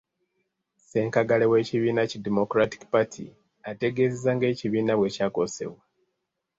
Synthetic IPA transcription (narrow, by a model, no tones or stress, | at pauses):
se̞ːŋkaɡalewe̞ːciβiːnacidemo̞kɾati̥kpatʰḭ | ate̞ɡe̞zezaŋɡe̞ːciβiːnaβwe̞caːko̞̰se̞̰βwa